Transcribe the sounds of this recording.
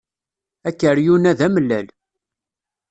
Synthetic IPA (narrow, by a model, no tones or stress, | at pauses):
ækːəɾjunæðæməlːæl